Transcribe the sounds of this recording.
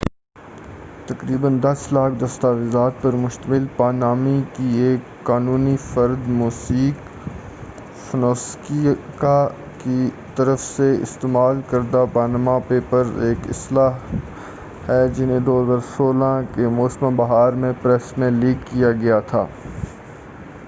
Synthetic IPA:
t̪ɐkɾiːbənd̪ɐslaːkʰd̪ɐst̪aʋɪzaːt̪̚pɐɾmʊʃt̪əmɪlpaːnaːmikieːkːaːnuːnifɐɾd̪muːsiːk | fɐnoːskika | ki | t̪ɐɾəfseɪ̰st̪eːmaːlkɐɾd̪apaːnamapeːpɐɾeːkɪ̰slaːɦ | hɛd͡ʒɪnẽd̪oːɦəzaːɾsoːlãkemoːsmãbɐɦaːɾmẽpɾɛsmẽliːkːijaɡɐjat̪ʰa̰ː

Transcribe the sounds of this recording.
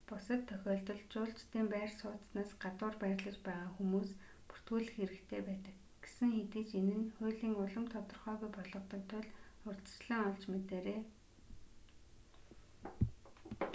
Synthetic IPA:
pʊsə̆t̪ʰːœxʲɔːɮt̪ɞ̆ɮt͡ɕʊːɬt͡ɕt̪iːmpæːrsʊːt̪snaːsɢat̪ʊːrpæːrʲɮə̆t͡ɕpæːʁaːxumuːs | pu̥r̥t̪ɡuːɮɘ̆xeɾɘ̆kt̪ʰeːpæːt̪ə̆k̚ | ɡ̥esɘ̆ŋxet̪iːt͡ɕenɘ̆nxʊːjɮiːŋʊɮə̆mt̪ʰɔt̪ɞ̆rχœːɣujpɔɮɞ̆qt̪ɞ̆nt̪ʰːʊɮʊrt̪ə̥̆t͡ɕɮə̆ŋɔɮt͡ɕmet̪eːɾeː

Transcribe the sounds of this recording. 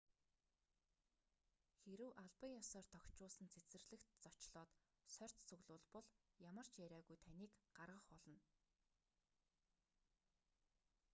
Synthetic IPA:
xeɾɘ̆wʔaɮpə̆ŋjɔsɔːrt̪ʰɔkt͡ɕʊːɮsə̆nt͡sʰet͡sɘ̆rɮɘ̆kt̪t͡sɔ̥t͡ɕɮɔːt̪ | sœr̥ʲt͡s̪t͡sɵɣɮʊːɮpɔɮjamə̆r̥t͡ɕjæɾʲæːɣujt̪ʰaniːkɢarʁə̆χpɔɮɞ̆n

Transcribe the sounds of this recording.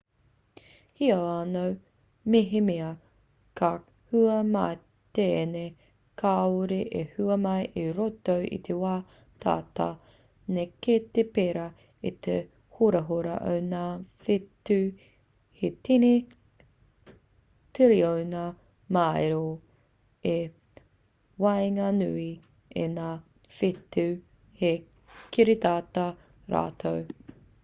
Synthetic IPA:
hiɐanow | miɦimiɐ | kʰa | huɐmaː | t̪ene | kʰaoɾeʔehuɐmɐjʔiɾotowʔḭt̪ʰewaː | t̪ʰa̰ːta | neket̪epeɾɐ | it̪ʰḛ | hoɾɐɦoɾɐ̰ʔo̰wnaːfetːʉ | hetine | teɾiowna | maeɾo | e | wajŋanui | ḛnaː | fetʉ | he | kʰiɾit̪aːtɐ | ɾʔa̰ːtʰow

